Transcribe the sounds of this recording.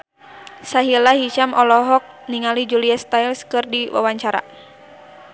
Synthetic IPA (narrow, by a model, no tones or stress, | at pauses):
saɦilaɦit͡ʃamɔlɔɦɔk̚ | niŋalid͡ʒuliast̪ailskɨrdiwa̰waɲt͡ʃaɾa̰